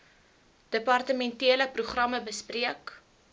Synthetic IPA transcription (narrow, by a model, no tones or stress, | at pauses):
d̥əpɐrtəmɛntiələpruχrɐməbəspriək